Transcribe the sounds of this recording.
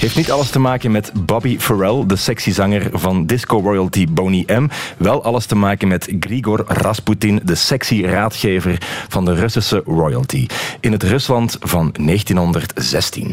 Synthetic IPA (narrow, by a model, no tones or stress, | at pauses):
ɦeːftnitɑləstəmaːkənmɛtbɑbifəɹɛlˠdəsɛksizɑŋərvɑndɪskorɔjəlˠtibowniʔɛmʋɛlˠɑləstəmaːkənmɛtɡriɡɔrrɑsputɪndəsɛksiraːtxeːvərv̥ɑndərɵsisərɔjə̰lˠtʰḭɪnɦətrɵslɑntv̥ɑnːeːxtinɦɔndərtz̥ɛstḭn